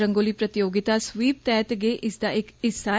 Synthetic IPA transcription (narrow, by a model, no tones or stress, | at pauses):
ɾəŋɡoːliːpɾət̪ɪjoːɡɪt̪aːsʋiːp̚t̪ɛːt̪ɡeːʔɪsd̪aːɪkɪsaː